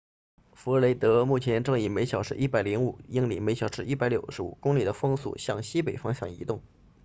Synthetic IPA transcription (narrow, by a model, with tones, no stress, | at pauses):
fu˧˥˧le˧˥ɪt̪ɤ˧˥mu˥˩t͡ɕʰjɛ˧˥nʈ͡ʂɤ˥˧ŋi˨˩me˧˥ɪɕjɑ˨˩ʊʂɻ̩˥˧ʔi˥˩pa˨˩ɪli˧˥ŋu˨˩i˥ŋlḭ˨˩me˧˥ɪɕjɑ˨˩ʊʂɻ̩˥˧i˥˩pa˧˥ɪljo˨˩ʊʂɻ̩˧˥ṵ˨˩kʊ˥ŋli˨˩d̪ə˦fɤ˥ŋsṵ˥˩ɕjɑ˥˩ŋɕi˥pe˨˩ɪfɑ˥ŋɕjɑ˥˩ŋḭ˧˥t̪ʊ˥˩ŋ